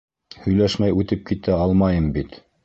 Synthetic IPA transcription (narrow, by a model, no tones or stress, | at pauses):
hɵ̆jlæʃmæjʉt̪ɘp̚kit̪æɑlˠmɑjɤmbit̪